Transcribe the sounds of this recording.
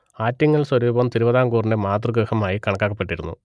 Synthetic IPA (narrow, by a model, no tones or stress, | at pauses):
aːtːiŋːɐɭswɐɾuːbɐmt̪iɾubɐðaːŋɡuːrinde̞maːt̪rɨɡɾɨhɐmaːjikɐɳɐkːaːkːɐpːe̞ʈːiɾunːṵ